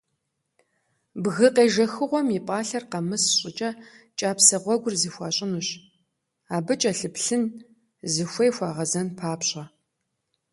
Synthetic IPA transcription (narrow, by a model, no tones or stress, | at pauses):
bɣɨqeːʒɐxɨʁʷɔmipʼaːɬɐrqɐmɨsɕʼɪt͡ʃʼɐ | t͡ʃʼaːpsɐʁʷɔɡʷʊrziːxʷɑːɕʼɪnuɕ | aːbɨt͡ʃʼɐɬɨpɬɨn | zɨxʷejxʷɑːʁɐzɐnpʰaːpɕʼɐ